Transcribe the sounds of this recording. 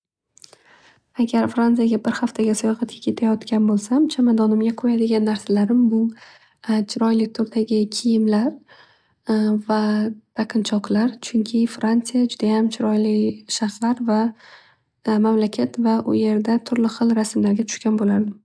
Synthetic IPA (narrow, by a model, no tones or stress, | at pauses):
aɡʲaɾfɾant̪sijaɡʲabɪɾhaft̪ʰaɡʲasʊjɒʁɑt̪̚kʲʰḁkʲʰe̞t̪ʰajɒt̪kʲanbolˠsamt͡ʃʰamad̪ɒnɪmɡʲaqʰojad̪ɪɡʲanːaɾsalaɾɪmbʊ | t͡ʃʰɪɾɒjlɪk̚ʲt̪ʰʊɾt̪ʰaɡʲɪkʲʰɪjɪmlaɾ | vad̪̥aqʰɨnt͡ʃʰɒqlˠaɾt͡ʃʰʊŋkʲʰɪfɾant̪sijad͡ʒʊd̪ajamt͡ʃʰɪɾɒjlɪʃaχslaɾva | mamlakʲʰat̪vaʔʊ̰je̞ɾd̪at̪ʰʊɾlɪχɨlˠɾasɪmlaɾɡʲat͡ʃ̪ʰʊ̥ʃkʲanbolaɾd̪ɪ